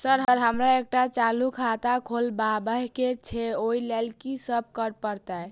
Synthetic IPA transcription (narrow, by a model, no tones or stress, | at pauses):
səɾɦəɾɦəmɾaek̚ʈat͡ʃalukʰat̪akʰolbabəɦket͡ʃʰeojlelkisəb̚ʱkəɾpəɾt̪əj